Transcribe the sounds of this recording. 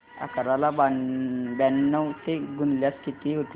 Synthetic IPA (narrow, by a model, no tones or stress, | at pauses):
a̰kəɾalababɛnːəwt̪eɡunljast̪ʰit̪iɦot̪